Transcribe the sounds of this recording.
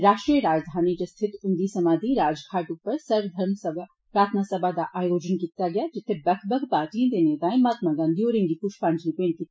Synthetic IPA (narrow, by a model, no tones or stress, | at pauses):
ɾaːʃʈɾijəɾaːd͡ʒd̪ʱaːnid͡ʒast̪ʰɪt̪ʊnd̪isɐmaːd̪ʱiɾaːd͡ʒkʰaːʈʊpːəɾsɐɾʋd̪ʱɐɾmsɐb | pɾaːt̪ʰənasɐbʱad̪aʔaːjoːd͡ʒənkit̪aɡɐjad͡ʒɪt̪ʰːebɐkʰbɐkʰpaːt̪ĩd̪enet̪aːẽmaːt̪maɡãnd̪ijoːɾẽŋɡikʊʃʰpãːnd͡ʒlipẽːnt̪i